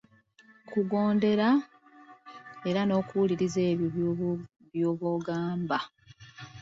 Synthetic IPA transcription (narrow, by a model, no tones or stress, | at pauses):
kuɡo̞ːnde̞ɾa | e̞ɾano̞ːkuwuliɾize̞ːβjo | βjoːβoːɡaːmba